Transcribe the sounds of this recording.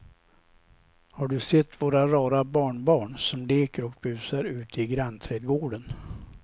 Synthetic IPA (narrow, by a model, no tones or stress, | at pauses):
haɖɵsɛt̪ʰːvoːɾaɾɑːɾabɑːɳbɑːɳsɔmleːkəɾɔk̚bʉ̟ːsaɾʉ̟ːt̪ʰɪɡɾant̪ʰɾɛːd̪ɡoːɖən